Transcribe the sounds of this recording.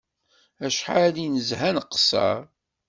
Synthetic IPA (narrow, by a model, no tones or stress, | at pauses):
æʃħalinəzhænqːsə̰ɾ